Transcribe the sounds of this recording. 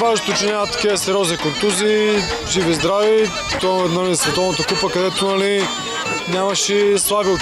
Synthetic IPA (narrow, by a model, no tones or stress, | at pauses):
vaʒot̪ʊt͡ʃɛnaat̪ɐ̥kiɛsɛɾʲɔznikʊnt̪uzi | ʒivizd̪ɾavi | t̪ɔɛnɐlisvɛt̪ɔvnot̪ɐkupəkɐd̪ɛt̪onɐli | nʲamɐʃɛslˠabio